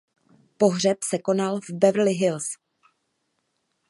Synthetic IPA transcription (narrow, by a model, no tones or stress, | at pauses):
po̞ɦr̝ɛpsɛko̞nalvbɛv̩lɪɦɪls